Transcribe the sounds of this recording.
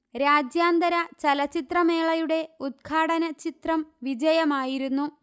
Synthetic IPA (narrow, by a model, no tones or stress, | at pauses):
ɾaːd͡ʑjaːnd̪ɐɾɐt͡ɕɐlɐt͡ɕit̪rɐme̞ːɭɐjuɽe̞ud̪̚ɡʰʱaːɽɐnɐt͡ɕit̪rɐmʋid͡ʑɐjɐmaːjiɾunːu